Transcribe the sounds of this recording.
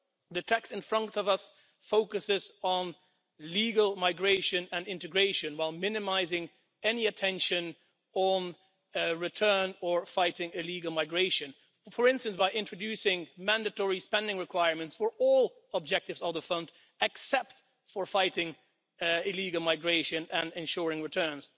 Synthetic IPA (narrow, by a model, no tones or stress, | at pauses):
ðɨtʰæksɨ̃nfɹʌ̃ntʌvʌs | foʊkɨsɪzn̩ | liɡl̩ˠmaɪɡɹeɪʃɨ̃nɨ̃nɪ̃ntɨɡɹeɪʃɨ̃nwaɪlˠmɪ̃nɨmaɪzɪ̃ŋ | ɛniɨtʰɛ̃nʃɨ̃n | ə̃n | ɹɨtʰɜ̃˞nə˞faɪtɪ̃ŋɪliɡl̩ˠmaɪɡɹeɪʃɨ̃n | fə˞ɪ̃nstɨ̃nsb̥aɪʔɪ̃ntɹ̥ɨdʉsɪ̃ŋmæ̃ndɨtɔɹispɛ̃ndɪ̃ŋɹɨkʰw̥aɪɹmɨ̃ntsfə˞ɔlˠ | əb̚d͡ʒɛk̚tɨvzʌvðəfʌ̃nd | ɨksɛp̚t | fə˞faɪɾɪ̃ŋ | ɪliɡl̩ˠmaɪɡɹeɪʃɨ̃nɨ̃nɨ̃nʃʊɹɪ̃ŋɹɨtʰɜ̃˞nz̥